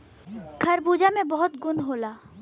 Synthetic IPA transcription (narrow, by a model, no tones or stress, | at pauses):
kʰɐɾbuːd͡ʒamẽbɔɦʊt̪ɡʊnɦoːlaː